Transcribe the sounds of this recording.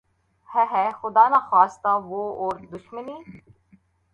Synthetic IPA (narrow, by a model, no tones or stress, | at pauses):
hɛɦɛxʊd̪aːnaxaːst̪aʋoːoːɾd̪ʊʃməniː